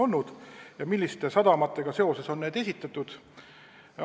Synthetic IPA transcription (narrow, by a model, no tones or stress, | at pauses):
o̞lnud̪̥jɑmilːist̪e̞sɑd̪̥ɑmɑt̪ːˑe̞ɡ̥ɑse̞o̞se̞so̞nːe̞ːd̪̥e̞sʲit̪ːˑɑt̪ːˑud̪̥